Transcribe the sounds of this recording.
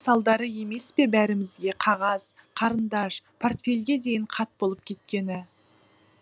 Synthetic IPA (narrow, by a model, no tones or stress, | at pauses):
sɑlˠd̪ɑɾəje̞me̞spe̞bæɾɪmɪzɡʲe̞qʰɑʁɑz̥ | qʰɑɾənd̪ɑʃpʰo̞rt̪fʲe̞lʲɡʲe̞d̪e̞jɪɴqʰɑt̪̚bo̞lˠəp̚kʲʰe̞t̪̚kʲe̞nɪ